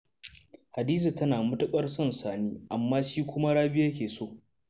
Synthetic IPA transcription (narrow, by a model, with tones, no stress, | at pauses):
ha˨diː˦z̬i˨tɐ˦naː˨mʊ˦tʊ˦kʼɐ˦rsɐ˦nsaː˨niː˦ʔa˨mːaː˦ʃiː˦kʷʊ˦ma˦ɽaː˦bɪ˦ja˦k̬ʲeː˨soː˦˨